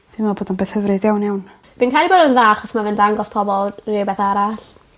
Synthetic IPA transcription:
d̥imvɛlˠboːdɔnbeːθhəvrɨdjawnjawn | b̥inkʰajlˠiboːdənðaːχɔsmavɪndaŋɡɔspʰɔbɔlˠrɪbɛθaɾaɬ

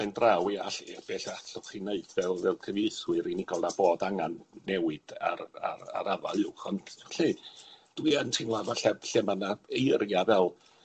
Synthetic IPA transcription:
ɛndrawiaɬib̥eːɬaɬɔχineɨdvɛlˠvɛlˠkʰəvejswɨɾinɪɡɔlˠnaboːdaŋanːɛwɨd̥a̰ɾa̰ɾa̰ɾava̰lˠɪwχɔntɬid̥wiːantʰɪnlˠavaɬɛvɬɛmanaejərjavɛlˠ

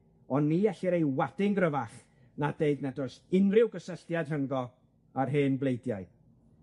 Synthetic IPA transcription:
ɔnːiɛɬɪɾejwadɪŋɡrəvaχ | nadeɨdnɛdɔsɪnrɪwɡəsəɬtjad̥rəŋɡɔ | arɦeːnblˠejdjaɨ

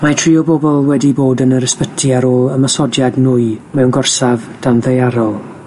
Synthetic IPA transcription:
matʰriːɔbɔbɔlˠwɛdiboːdənəɾəspətʰiaɾoːlˠəməsɔdjadnʊɨmɛwnɡɔrsavd̥anðejaɾɔlˠ

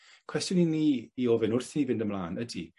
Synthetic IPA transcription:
kʰw̥ɛstjɔniniːioːvɛnʊrθnivɪndəmlˠaːnʔədi

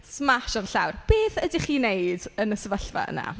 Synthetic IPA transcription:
smaʃɔnɬawrb̥eːθədiχiːnejdənəsəvəɬva̰ə̰na̰

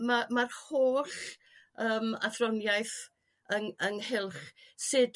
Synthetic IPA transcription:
mamarhoːɬ | əːma̰θrɔnjajθ | əŋəŋhɪlˠχsɨd

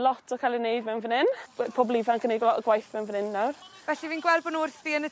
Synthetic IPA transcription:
lɔtʰɔkʰajlˠinejdmɛwnvənɪnpʰɔblˠivankʰənejɔɡwajθmɛwnvənɪnːawrvɛɬiviːnɡwɛlˠbɔnʊrθviənə

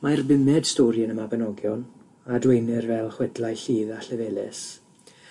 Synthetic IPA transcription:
majrbɪmɛd̥stoːɾjənəmabɛnɔɡjɔn | adwejnɪrvɛlˠχwɛdlajɬiːðaɬɛvɛːlɪ̰s

